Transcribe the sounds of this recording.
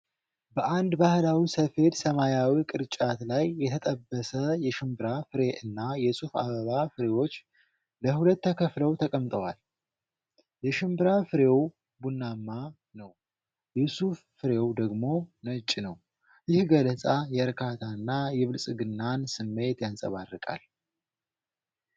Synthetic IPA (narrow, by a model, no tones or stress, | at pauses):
bəʔand̪bahlawisəfe̞t̪səmajawikʼɨɾt͡ʃʼat̪lajːɛt̪ʰət̪ʼəbːəsəjɛʃɪmbɨɾafɨɾe̞ʔɨnːajɛsufa̰βəβafɨɾe̞wo̞t͡ʃː | ləhulət̪ːəkʰəfləwt̪ʰəkʼəmt̪ʼəwa̰l | jɛʃɪmbɨɾafɨɾe̞w | bunːamːa | nəw | jusufːɨɾe̞wd̪əɡmo̞nət͡ʃʼːnəw | jɪhɡələsʼajɛəɾkʰat̪ʰanːajɛβɨlsʼɨɡɨnːansɨmːe̞t̪jansʼə̰βarːɨkʼa̰l